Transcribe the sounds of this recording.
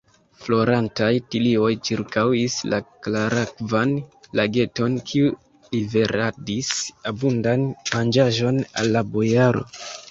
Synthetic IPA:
flo̞ɾantajtilio̞jt͡ʃiɾkawislaklaɾakvanlaɡe̞to̞nkʰiu | live̞ɾʔadisabundanmand͡ʒaʒo̞na̰lːabo̞jaɾo̞̰

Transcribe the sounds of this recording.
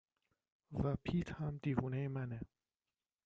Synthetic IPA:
væpʰiːt̪hamd̪ivuːneemæne

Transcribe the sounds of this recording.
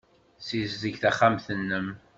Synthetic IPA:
sizzəʝθæχːamθənːəm

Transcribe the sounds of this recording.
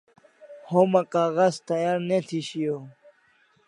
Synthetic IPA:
homɐkaːɣazt̪ɐjaːɾnet̪ʰiɕijo

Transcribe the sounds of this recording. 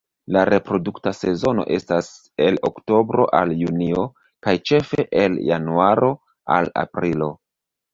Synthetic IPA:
laɾʔe̞pɾo̞duktase̞zo̞no̞̰ʔe̞stas | e̞lo̰kto̞bɾo̞ʔaljunio̞ | kajt͡ʃe̞fe̞ʔelja̰nuaɾʔo̞ | a̰la̰pɾilo̞

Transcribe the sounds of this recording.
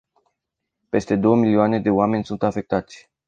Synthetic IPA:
pe̞st̪e̞d̪o̞wəmilioane̞d̪e̞oame̞nʲsunt̪afe̞k̚t̪at̪sʲ

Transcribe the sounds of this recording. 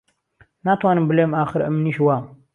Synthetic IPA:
naːt̪ʰwaːnɨmbɨleːmaːxɨɾə̰mniːʃwaːm

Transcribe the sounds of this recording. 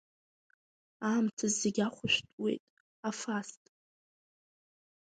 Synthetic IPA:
aːmtʰazeɡʲaχʷʊʃʷᶣtʼwe̞̰jtʼ | afastʼ

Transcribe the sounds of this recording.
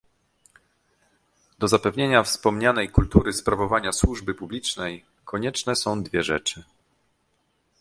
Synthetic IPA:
d̪̥ɔzapɛvɲeɲafspɔmɲanɛjkult̪uɾɘspɾavɔvaɲaswuʐbɘpublʲit͡ʂnɛj | kʰɔɲɛt͡ʂnɛsɔ̃w̃d̪vʲjɛʐɛ̰t͡ʂɘ

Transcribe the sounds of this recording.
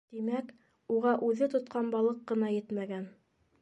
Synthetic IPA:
t̪imæk | uʁɑʔʉðɘt̪ŏt̪̚qɑnbɑlˠɤqːɤ̆nɑjɘt̪mæɡæn

